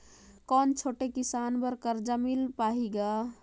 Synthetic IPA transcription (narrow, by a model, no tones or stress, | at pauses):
kɔnt͡ʃʰoʈekisanbəɾkəɾd͡ʒəmilpaɦiɡa